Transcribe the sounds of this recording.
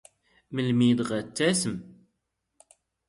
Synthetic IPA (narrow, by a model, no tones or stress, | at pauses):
məlmid̪ʁæt͡sːæsəm